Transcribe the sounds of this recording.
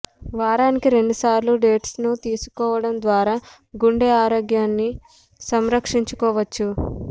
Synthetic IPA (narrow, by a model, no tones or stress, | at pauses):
ʋaːɾaːnikiɾe̞ɳɖusaːɾluɖe̞ːʈsnut̪iːsu̥kɔːʋɐɽɐnd̪ʋaːɾaː | ɡuɳɖeaːɾoːɡjaːnːi | sɐmɾɐkʂiɲt͡ʃukɔːʋɐt͡ʃːu